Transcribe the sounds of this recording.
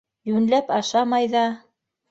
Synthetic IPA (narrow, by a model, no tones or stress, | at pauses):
jʉnlæpɑʃɑmɑjðɑ